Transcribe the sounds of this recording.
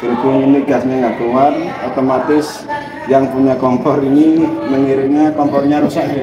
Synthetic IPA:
ɾipuŋiniɡ̥asɲaŋab̥uŋarot̪omat̪ɪs | jaŋpuɲakɔmpɔɾiniməŋiɾinakɔmpɔrɲaɾusaʔ

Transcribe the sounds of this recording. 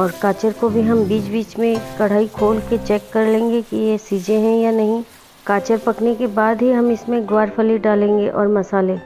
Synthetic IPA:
ɔːɾkaːt͡ʃəɾkobʱiɦɐmbiːt͡ʃbiːt͡ʃmẽkɐɽ̤aːikʰoːlket͡ʃɛːkːɐɾlẽːŋɡekijesiːd͡ʒeɦɛ̃janɐɦĩ | kaːt͡ʃəɾpɐknekebaːd̪ɦiɦɐmɪsmẽɡwaːɾfʰəliɖaːlẽːŋɡeʔɔːɾmɐsaːle

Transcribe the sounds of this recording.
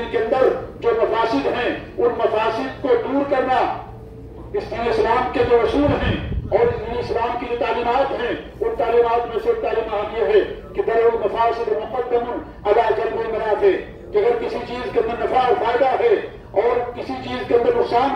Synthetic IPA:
ikeɐ̃nd̪əɾd͡ʒoːmɐfʰaːsɪd̪ɦɛ̃ʊnmɐfaːsɪd̪kod̪uːɾkɐɾna | ɪstiɪslaːmked͡ʒoːɾɐsuːlɦɛ̃ɔːɾɪsiiɪslaːmkid͡ʒot̪aːliːmaːt̪ɦɛ̃ | ʊnt̪aːliːmaːt̪mẽsek̚t̪aːliːmat̪jeɦɛ | kid̪ɐɾoʊmɪfaːɾsemʊɦɐbət̪̚kɐmʊn | ɐd̪aːd͡ʒɐt̪bomɐnat̪e | kiɐɡəɾkɪsit͡ʃiːzkeɐ̃nd̪əɾnɪfaːɾfaːɪd̪aɦɛ | ɔːɾkɪsit͡ʃiːzkeɐ̃nd̪əɾmʊsaːn

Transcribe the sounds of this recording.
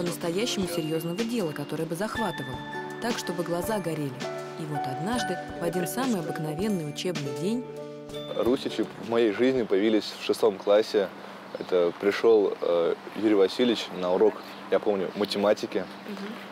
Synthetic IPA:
pənəst̪ɐjæɕːɪmʊsʲɪɾʲjo̞znəvədʲe̞lˠəkɐt̪o̞ɾəjəbɨzɐxvat̪ɨvəlˠət̪akʂt̪o̞bɨɡlˠɐzaɡɐɾʲelʲɪ | ivo̞t̪ɐd̪naʐd̪ɨ | vɐdʲinsamɨjɐbɨknɐvʲe̞nːɨjʊt͡ɕe̞bnɨjdʲenʲ | rusʲɪt͡ɕɪvmɐjejʐɨzʲnʲɪpəjɪvʲilʲɪsʲfʂɨst̪o̞mklˠasʲːɪ | ɛ̰t̪əpɾʲɪʂo̞lˠjuɾʲɪvɐsʲilʲɪt͡ɕnəʊɾo̞k | japo̞mnʲʊ̰mətʲɪmatʲɪkʲɪ

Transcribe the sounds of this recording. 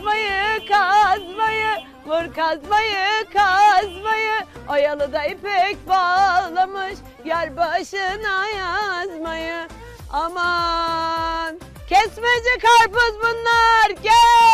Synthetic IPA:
majɯkazmajɯ | mɯɾkazmajɯkʰazmajɯajalˠɯd̪aipɛc̚ʲbaːlˠamɯʃ | jæɾbaʃɯnajazmajɯ | ama | n | cʰɛsmɛd͡ʒɛkʰaɾpɯzbunlˠaɾɟɛ

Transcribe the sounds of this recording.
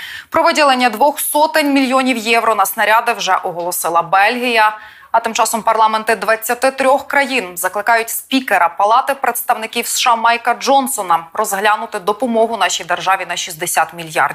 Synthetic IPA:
pɾɔʋɪdʲilˠenʲːɐd̪ʋɔxsɔt̪ɪnʲmʲilʲjɔnʲiwjɛwɾɔnɐsnɐɾʲɑd̪ɪwʒɛʔɔɦɔlˠɔsɪlˠɐbɛlʲɦʲijɐ | ɐt̪ɪmt͡ʃɑsɔmpɐrlˠɑmɛnt̪ɪd̪ʋɐt͡sʲːɐt̪ɪt̪ɾʲɔxkɾɐjinzɐklˠɪkɑjʊtʲspʲikeɾɐpɐlˠɑt̪ɪpɾet̪st̪ɐwnɪkʲiwsʃɑmɑjkɐd͡ʒɔnsɔnɐrɔzɦlʲanʊt̪ɪd̪ɔpɔmɔɦʊnɑʃʲijd̪erʒɑʋʲinɐʃizd̪esʲat̪mʲilʲjɑ̰rdʲ

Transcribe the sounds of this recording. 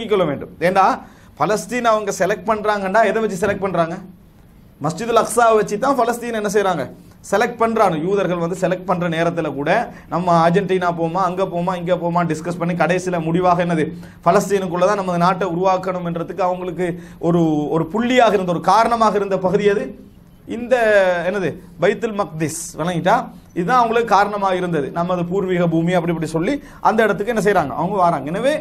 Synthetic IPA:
kɪkːɔɭːɐʋeːɳɖɯ̰meːɳɖaː | pɐlɐsʈiːnɐʋɐŋɡɐsɛlɛk̚ʈ̚pɐɳːɾaːŋɡɐnɖaːɛðɛʋɛt͡ʃːisɛlɛk̚ʈ̚pɐɳɾaːŋɡɐ | mɐsd͡ʒɪðlɐksaːʋʋɐt͡ʃːit̪ːãːpɐlɐsʈiːnɐɛnːɐs̬ɛjɾaːŋɡɐ | sɛlɛk̚ʈ̚pɐɳːɾaːnɯ̃juːðɐɾɣɐɭʋɐnd̪ɯsɛlɛk̚ʈ̚pɐɳɖrɐneːɾɐt̪ːɪlɐkuːɽɐnɐmːɐːɾd͡ʒɛɳʈiːnaːpoːmaːɐŋɡeːpoːmaːɪŋɡeːpoːmaːɖɪskɐspɐɳːikɐɽɐɪsɪlɐmʊɽɪʋaːɣɐɛnːɐðɯ | fɐlɐsʈɪjnɯkːɯɭːɐt̪ãːnɐmːɐðɯnaːʈːɐʊɾʊʋaːkːɐɳɯmɛndrɐt̪ːɯkːɯɐʋɐŋɡɐɭɯkːɯʔɔɾɯɔɾɯpʊɭːɪjaːɣɐɪɾɯnd̪ɐɔɾɯkaːɾɐɳɐmaːɣɐɪɾɯnd̪ɐpɐɣɯðɪjɐðɯ | ɪnd̪ɐɛnːɐðɯbɐjt̪ːɯlmɐk̚d̪ɪsʋɐlɐŋɡɪʈːãː | ɪðɯt̪ãːɐʋɐŋɡɐɭɯkːɯkaːɾɐɳɐmaːɣɐɪɾɯnd̪ɐðɯnɐmːɐðɯpuːɾʋiːɣɐbuːmiɐpːɐɽɪpːɐʈːisɔlːi | ʔɐnd̪ɐɪɽɐt̪ːɯkːɯɛnːɐs̬ɛjɾaːŋɡɐ̰ʔɐ̰ʋɐŋɡɐʋaːɾaːŋɡɐɛnːɐʋeː

